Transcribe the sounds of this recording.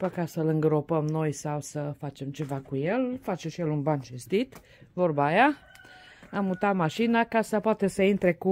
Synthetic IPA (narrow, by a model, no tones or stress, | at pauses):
pəkasəlɨŋɡɾo̞pəmno̞jsawsəfat͡ʃe̞mt͡ʃe̞vakuje̞lfat͡ʃeʃijelunbanʃist̪it̪ | vo̞rbaja | amut̪at̪maʃinakasəpoat̪e̞səint̪ɾe̞ku